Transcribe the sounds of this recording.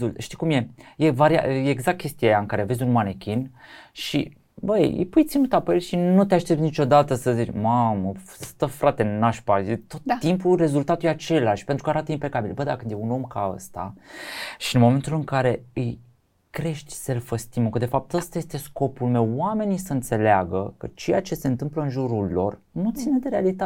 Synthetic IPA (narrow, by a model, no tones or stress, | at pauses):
ulʃt̪ikumje̞je̞vaɾia̰jeːɡzak̚t̪̚kʲe̞st̪iajaɨŋkaɾeve̞zʲunmanekʲʰinʃḭ | bəjɨ̰jpujt̪sinut̪ape̞lʃinut̪eaʃt̪ep̚nit͡ʃo̞d̪at̪əsəzit͡ʃmaməst̪əfɾat̪e̞naʃpait̪o̞t̪ːimpure̞zult̪at̪ujeat͡ʃe̞laʃʲpent̪ɾukəaɾat̪əimpe̞kabilbəd̪akɨnd̪jeuno̞mkaə̰st̪a̰ | ʃiɨnmo̞me̞nt̪ulɨŋkaɾe̞ɨj | kɾe̞ʃt̪ʲselfəst̪iməkəd̪efap̚t̪əst̪aje̞st̪e̞sko̞pulme̞wːame̞nisəɨnt̪se̞leaɡəkət͡ʃe̞jat͡ʃe̞se̞nt̪ɨmpləɨnʒuɾulːo̞̰r | nut̪sine̞d̪e̞ɾealit̪a